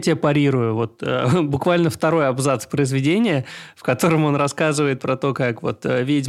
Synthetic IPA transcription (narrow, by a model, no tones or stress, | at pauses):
tʲɪjəpɐɾʲiɾʊjʊvo̞t̪ə̰bʊkvalʲnəft̪ɐɾo̞jɐbzat̪spɾəɪzvʲɪdʲenʲɪjəfkɐt̪o̞ɾəmo̞nrɐskazɨvəjɪt̪̚pɾɐt̪o̞kakvo̞̰t̪əvʲetʲ